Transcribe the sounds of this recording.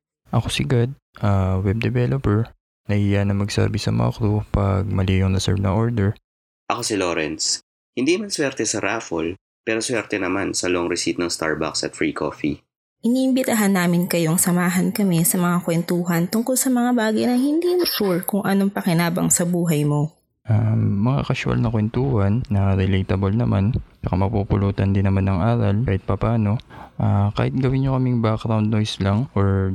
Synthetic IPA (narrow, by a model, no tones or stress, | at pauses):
ʔɐkosɪɡad̪̚ | ʔɐwɛb̚d̪ɛvɛlopɛɹ | nɐhijanɐŋmɐɡsa̰ːbɪsɐ̰mɐ̰ɐ̰klupɐɡ̚mɐliːjoŋnɐsɛ̰ɹnɐʔoɹd̪ɛɹ | ʔɐkosɪloːɾɛns | hɪnd̪iːmɐnswɛɾt̪ɛsɐɾaːfol | pɛːɾoswɛɾt̪ɛnɐmansɐloʔoŋɾɪsit̪̚nɐŋst̪a̰ɹba̰ksɐt̪fɹiːkʰo̰ːfḭ | ʔɪniːʔɪmbɪt̪aɦɐnːaːmɪnkɐjo̞ɐŋsɐmaːɦɐnkɐmɛsɐmɐŋakwɛnt̪uːɦɐnt̪ʊŋkolsɐmɐŋabaːɡɐjnɐŋhɪnd̪iːmoʃuɹkʊŋʔɐnoŋpɐkɪnaːbɐ̰ŋsɐbuːɦɐjmo̞ | ʔamːɐŋa̰kɐʃʊɐ̰lnɐkwɛnt̪uːhɐnːɐɾɛlejt̪ɐbolnɐmant͡ʃɐkamɐɡ̚pupʊluːt̪ɐnd̪ɪnːɐmanːɐŋʔaːɾɐlaːhɪt̪̚pɐpaːno̞ʔakaːhɪt̪̚ɡɐwɪnɲokɐmiŋbakɾawnd̪̚nojslɐŋʔoɹ